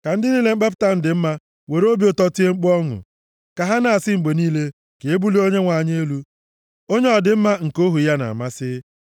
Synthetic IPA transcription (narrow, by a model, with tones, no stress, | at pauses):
ka˨n̩˦dɪ˦niː˦le˦ŋ͡m̩˦k͡pa˦p̬ta˦˨n̩˨dɪ˨m̩˦ma˦ | we˨ɾo˦bjo˦tɔ˦ti˦e˦ŋ͡m̩˦k͡pɔ˦ŋʊ̰˨ | ka˨ɦa˦na˨a˨sɪ˦ŋ͡m̩˨ɡ͡be˨niː˦le˦ | ke˨e˦bu˦li˦o˦ɲe˦ŋʷa˨ɲ˦e˦e˦lu˦ | o˦ɲe˦ɔ˨dɪ˨m̩˦ma˦ŋ̩˨ko˦ɦu˨ja˦na̰˨ma˦sɪ˦